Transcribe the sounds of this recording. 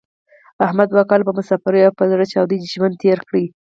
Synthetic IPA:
ahmad̪wakɑlbamʊsafaɾujapəzaɽət͡ʃɑwd̪id̪ʒmand̪̚t̪ʰeɾkɽi

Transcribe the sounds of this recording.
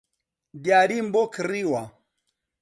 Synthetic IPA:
diaɾimbɔkɾiwa

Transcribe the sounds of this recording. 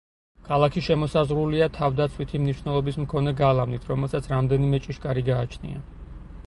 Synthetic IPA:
kʰalˠakʰiʃɛmɔsazʁɾuliat̪ʰavd̪at̪sʰwit̪ʰimniʃwnɛlˠɔbismkʰɔnɛɡalˠavnit̪ʰɾɔmɛlˠsat̪sʰɾamd̪ɛnimɛt͡ʃʼiʃkʼaɾiɡaːt͡ʃʰnḭa̰

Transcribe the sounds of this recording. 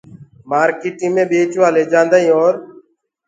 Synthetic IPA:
maːɾkiːʈĩːmẽːɓeːt͡ʃʋaːleːd͡ʒãːnd̪aːĩːoːɾ

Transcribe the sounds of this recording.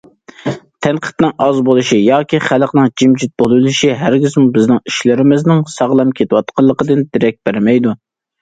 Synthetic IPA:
t̪ʰɛnqʰə̥t̪nɨŋɑzbolˠuʃijɑːkʲʰiχælˠqnɨŋd͡ʒimd͡ʒit̪̚bolˠɨlˠɪʃiɦæɾɡʲizmubɪznɪŋiʃlɪɾɪmɪznɪŋsɑʁlˠɑmkʲʰet̪ɪwɑt̪qʰɑlˠːəqəd̪ɨnd̪ɪɾɛk̚ʲb̥æɾmɛjd̪u

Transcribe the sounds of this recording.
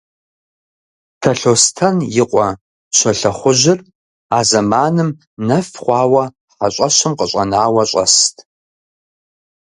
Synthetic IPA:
tʰɐɬoːstʰɐnjɪqʷʼɔ | ɕʷɐɬɐχʷʊʑɪr | aːzɐmaːnɨm | nɐfχʷɑːwɐ | ħaɕʷʼɐɕɨmqəɕʷʼɐnaːwɐɕʼɐ̰stʰ

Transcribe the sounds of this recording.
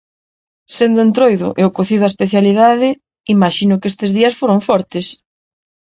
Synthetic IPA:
send̪ʊent̪ɾojðʊ̰ʔeʊkoθiðʊaespeθjaliðaðɪ | imaʃinʊkest̪ezðiɐsfoɾoɱfɔɾt̪ɪs

